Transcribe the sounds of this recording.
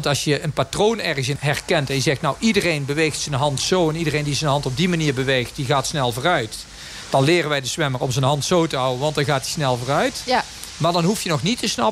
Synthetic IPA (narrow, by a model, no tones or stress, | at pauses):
ntɑlsjəənpatrownɛɹɣəsɪɦɛrkɛntɛnjəzɛxtnawʔidərejnbəʋejxtsənɦɑntsowɛnidərejndizənɦɑntɔb̚dimaniːɹbəʋejxtdiɣaːtsnɛlˠvoːrœɥt | d̥ɑnlɪːrənʋɛjdəsʋɛmərɔ̰mzənɦɑntsowtəɦɑwənʋɑntdɑnɣaːt̚di̥snɛlˠvoːrœɥt | maːɹdɑnɦufjənɔxnitəsnɑ